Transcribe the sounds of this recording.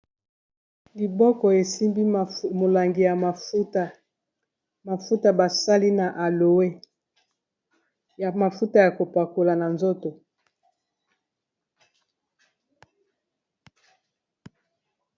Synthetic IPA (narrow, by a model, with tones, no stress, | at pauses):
li˨bɔ˦kɔ˨e˨si˦mbi˦˨mo˨la˨ŋɡi˨ja˨a˨˦ta˨ | ma˨fu˦ta˨ba˨sa˦li˦na˨ʔa˨lo˨we˦ | jma˨fu˦ta˨ja˨ko˨pa˨ko˨la˨na˨nzo˦to˨